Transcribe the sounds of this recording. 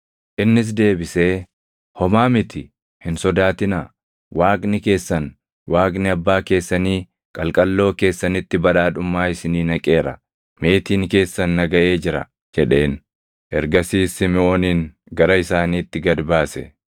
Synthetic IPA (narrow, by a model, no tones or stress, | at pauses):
ʔɪnːɪs̬d̪e̞ːbɪse̞ː | hɔmaːmɪt̪ʰɪ | hɪnsɔd̪aːt̪ɪnaː | waːkʼnɪke̞ːsːɐn | waːkʼnɪɐbːaːke̞ːsːɐniː | kʼɐlkʼɐlːo̞ːke̞ːsːɐnɪt̪ːɪbɐᶑaːᶑʊmːaːɪsɪniːnɐkʼe̞ːɾɐ̰ | me̞ːt̪iːnke̞ːsːɐnːɐɡɐʔe̞ːd͡ʒɪɾɐ̰ | d͡ʒɛᶑe̞ːn | ʔɛɾɡɐsiːsɪmɪo̞ːniːŋ | ɡɐɾɐɪsaːniːt̪ːɪɡɐd̪baːsɛ̰